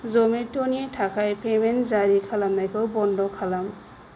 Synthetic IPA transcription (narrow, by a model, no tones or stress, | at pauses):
zɔmetonitʰakʰajpʰemenzaɾikʰalamnajkʰɯwbɔndɔkʰalam